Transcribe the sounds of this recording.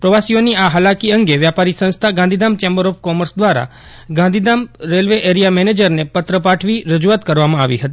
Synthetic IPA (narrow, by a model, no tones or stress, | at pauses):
pɾəʋasioniaɦalakiəŋɡeʋjapaɾisə̃nst̪ʰaɡãnd̪id̪amt͡ʃɛ̃mbəɾɔfkɔməɾsd̪ʋaɾa̰ | ɡãnd̪ʱid̪amɾelʋeʔeɾijamɛned͡ʒəɾnepət̪ɾəpaʈʰʋiɾəd͡ʒuat̪kəɾʋamãaʋiɦət̪i